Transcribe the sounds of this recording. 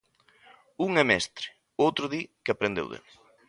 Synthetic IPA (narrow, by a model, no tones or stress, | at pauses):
uŋɛmɛst̪ɾɪ̥ | owt̪ɾʊðikapɾend̪ḛwðɪ̰